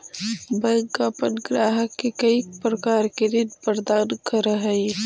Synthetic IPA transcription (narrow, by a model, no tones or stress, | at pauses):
bɐ̃ŋkapənɡɾaːɦəkːekɐipɾɐkaːɾked̪ɪnpəɾd̪aːnkɐɾɦəi